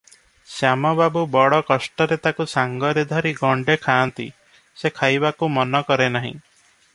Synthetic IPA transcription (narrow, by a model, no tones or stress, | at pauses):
samɔbabubɔɽɔkɔsʈɔɾet̪akusaŋɡɔɾid̪ʱɔɾiɡɔɳɖekʰaːnt̪ḭ | sekʰajbakumɔnɔkɔɾenaɦḭ̃